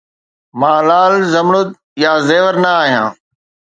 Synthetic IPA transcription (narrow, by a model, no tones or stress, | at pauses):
mãːlaːlzɐmɽʊt̪ | jaːzeːʋəɾnɐaːɦijã̰ː